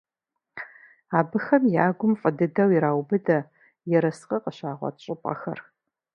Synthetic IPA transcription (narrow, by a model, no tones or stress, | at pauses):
aːbɨxɐmjaːɡʷʊmfʼɐdɨdɐwiɾaːwbɨdɐ | jɛɾɐsqʼɐqʼəɕaːʁʷɔ̰t͡ʃʼɪpʼɐ̰xɐ̰r